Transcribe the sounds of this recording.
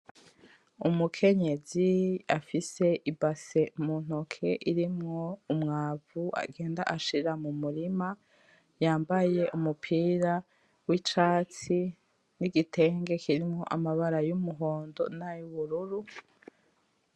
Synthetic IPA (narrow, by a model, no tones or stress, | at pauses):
umukʰe̞ɲe̞ziafise̞ʔibase̞mun̥okʰe̞ʔiɾimŋo̞umŋaːvua̰ɡe̞ːnda̰ʔaʃiɾamumuɾima | jaːmbaje̞ʔumupʰiːɾa | wit͡ʃaːt͡si | niɡitʰe̞ːŋɡe̞kʰiɾimŋo̞̰ʔamaβaɾajumuɦo̞ːndo̞̰najuβuɾuɾu